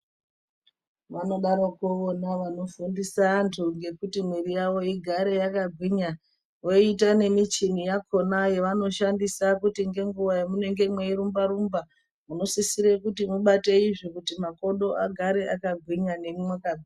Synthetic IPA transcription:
ʋano̞ɗaɾokuonaʋano̞fundisaːntʰuŋɡe̞kutimweɾijawo̞iɡʱaɾe̞jakaɡʱwiɲa | woitane̞mit͡ʃinijakʰo̞najeʋano̞ʃandisakutiŋɡe̞ŋɡuʋajamune̞ŋɡe̞mweiɾumbaɾumba | muno̞sisiɾekutimuɓate̞iʐikutimako̞ɗo̞aɡʱaɾe̞ʔakaɡʱwiɲane̞mumwakad͡zi

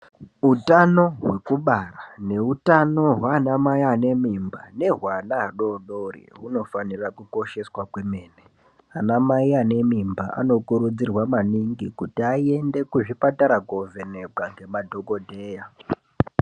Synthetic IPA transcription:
utano̞ɦwe̞kuɓarane̞utano̞ɦwaːnamaiane̞mimba̰ne̞ɦwanaːɗoɗorḭɦuno̞fanirakuko̞ʃe̞swakweme̞ːne | anamaiane̞mimba̰ʔa̰no̞kuɾud͡zirwamaniŋɡikutiaie̞nde̞kuʐipataɾaɡovenebaŋɡe̞madʱo̞ɡo̞dʱe̞ːja

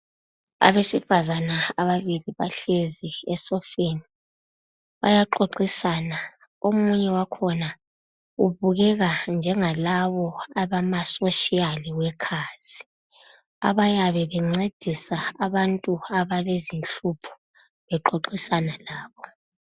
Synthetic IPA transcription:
a̰βesifazanaaβaβiliβaɬeziɛsɔfeni | βajaǃoǃisana | omuɲɛwakʰɔna | uβuɣɛɣand͡ʒʱɛŋalaβɔaβamasoʃialiwɛkʰaːz̥i | a̰βajaβɛβɛŋ͡ǀed̥ʱisaːβantʼuaβalezinɬupʰɔ̥ | βɛǃoǃisanalaːβɔ

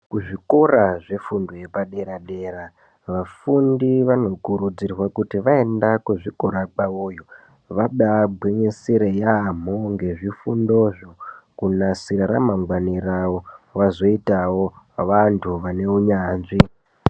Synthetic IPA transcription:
kuʐiko̞raʐefundoje̞paɗeɾaɗe̞ːɾa | ʋafundiʋano̞kuɾud͡zirwakutiʋae̞ndakuʐiko̞ɾak͡paoːjo̞ | ʋaɓabʱweɲesiɾejam̤o̞ŋɡe̞ʐifundo̞ʐokunasiɾaɾamaŋɡwaniɾawo̞ʋazo̞itawo̞ | ʋantʰuʋane̞uɲaːnʐi

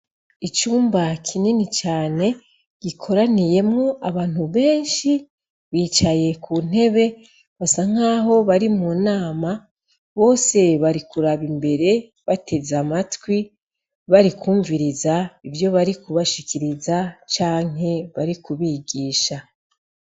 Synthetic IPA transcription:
it͡ʃuːmbakʰininit͡ʃaːne̞ | ɡ̥ikʰo̞ɾanije̞mŋo̞ʔaβaːn̥huβe̞ːnʃi | βiːt͡ʃaje̞kun̥e̞βe̞ | βasaŋ̥aːɦo̞βaɾimuːnaːma | βo̞ːse̞βaɾikuɾaβimbe̞ɾe̞ | βatʰe̞zamatwi | βaɾikuːɱviɾizaivjo̞βaɾikuβaʃikʰiɾizat͡ʃaːŋ̥ɦe̞βaɾikuβiɡiːʃa

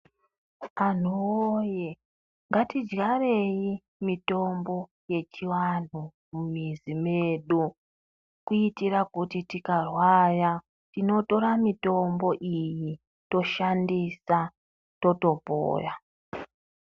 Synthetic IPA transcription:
an̤uoje | ŋɡatid͡ʒɡare̞ji | mito̞mbo̞ | je̞t͡ʃiwan̤u | mumizime̞ːɗu | kuitirakutitikarwaja | tino̞to̞ɾamito̞mbo̞ʔiji | to̞ʃandisa | to̞to̞po̰ːra

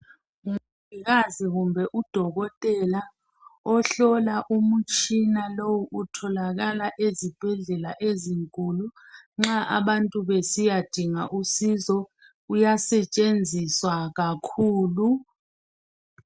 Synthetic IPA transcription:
ŋuviɣ̬aziɣumbʱɛʔud̥ʱɔɣɔtʼɛla | ɔɬɔlaʔumut͡ʃʰʼinalowuʔutʰɔlaɣalaʔezib̥ʱɛɮɛlaʔeziŋkʼuluŋ͡ǁaʔa̰ɓantʼuβɛsijad̥ʱiŋaʔusizɔ | ujasɛt͡ʃʼend͡zʱiswaɣakʰuːlu

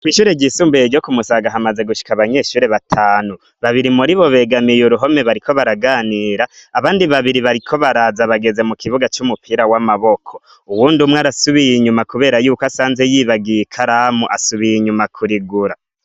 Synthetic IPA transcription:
kwiːʃuːɾeɟisuːmbujeɾɟo̞kumusaɡaɦamaze̞ɡuʃi̥kaβaɲe̞ʃuːɾe̞βatʰaːnu | βaβiɾimuɾiβo̞βe̞ɡamijoɾuɦo̞me̞βaɾikʰo̞βaɾaɡaːniːɾaːβaːndiβaβiɾiβaɾikʰo̞βaɾazaβaɡe̞ze̞mukʰiβuɡat͡ʃumupʰiɾawamaβo̞kʰo̞ | uwuːndumweaɾasuβijiɲumakuβe̞ːɾajuːkoasaːnze̞jiβaɡijekʰaɾamuʔasuβijiɲumakʰuɾiɡuɾa

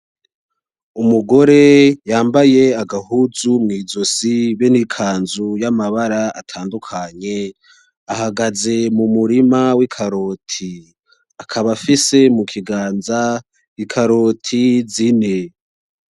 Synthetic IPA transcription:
umuɡo̞ɾe̞jaːmbaje̞aɡahuzumŋiːzo̞siβenikʰaːnzujamaβaɾaa̰tʰaːndukʰaɲe̞ | ahaɡaze̞mumuɾimawikʰaɾo̞tʰi | akʰaβafise̞mukʰiɡaːnza | ikʰaɾotʰizine

